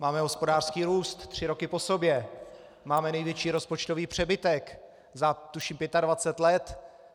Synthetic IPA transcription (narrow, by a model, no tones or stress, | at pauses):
maːmɛɦo̞spo̞daːr̥skiːɾuːst̪t̪ːr̝̥ɪɾo̞kɪpo̞so̞bjɛ | maːmɛnɛjvjɛt͡ʃiːɾo̞spo̞t͡ʃt̪oviːpr̝̥ɛbɪt̪ɛk | zat̪uʃiːmpjɛt̪advat͡sɛt̪lɛt̪